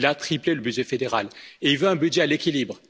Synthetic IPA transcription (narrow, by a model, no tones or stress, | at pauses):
lat̪χipleləbydʒɛfed̪eʁaleilvøɛ̃bydʒɛalekʲilibʁ